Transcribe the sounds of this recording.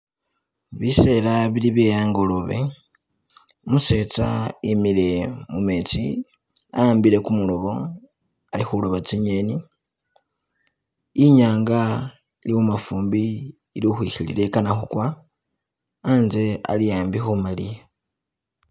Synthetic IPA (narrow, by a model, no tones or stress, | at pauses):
βise̞laβiliβjejaːŋɡo̞loβe̞̰ | muse̞t͡sa̰imile̞mumet͡si | aaːmbiɾe̞kumulo̞βo̞ | alixulo̞βat͡siɲe̞ni | ɲaːŋɡa | iliwumafuːmbiː | lixwixilḭle̞kanaxukwa | anze̞a̰lijaːmbixumalije